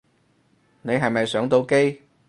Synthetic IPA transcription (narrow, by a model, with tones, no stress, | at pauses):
ne˨˧jɦɐ˨˩jmɐ˨˩jsœː˨˥ŋt̪o˧wke˧j